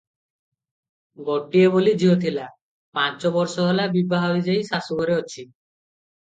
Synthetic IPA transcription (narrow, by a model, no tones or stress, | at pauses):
ɡɔʈːiebolid͡ʑiɦot̪ʰila | pãt͡ɕobɔɾʃɔɦɔlabibaɦobid͡ʑajsasubɔɾeoːt͡ɕʰi